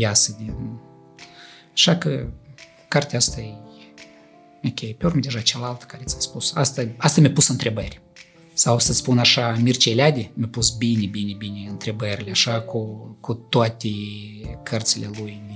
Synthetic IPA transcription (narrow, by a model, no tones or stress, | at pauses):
jasəd̪ʲe | aʃakə | kart̪ʲeast̪aej | okʲejpʲeorməd̪ʲeʒat͡ʃalalt̪kaɾʲet̪sʲaspusa̰st̪aast̪amʲəpusɨnt̪ɾʲe̞bərʲ | sawsət̪sʲpunaʃamʲirt͡ʃejlʲad̪ʲemʲəpusbinʲebinʲebinʲeɨnt̪ɾe̞bəɾʲilʲeaʃakukut̪oat̪ʲekʰərt̪silʲelujm